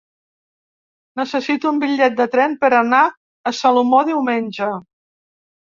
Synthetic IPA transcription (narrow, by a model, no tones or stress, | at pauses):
nəsəsit̪uumbiʎɛt̪̚d̪ət̪ɾɛmpəɾəna | əsalumoðiwmenʲd͡ʒə